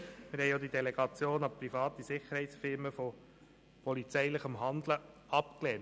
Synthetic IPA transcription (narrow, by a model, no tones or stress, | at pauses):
mɪɾhɛjod̪id̪ɛlɛɡ̥ɑt͡sjoːnɑpɾifɑːt̪isɪχəɾhɛɪtsfɪɾməfɔ | pɔlit͡sɛɪləχəmɦɑnd̪lə | ɑpkleːn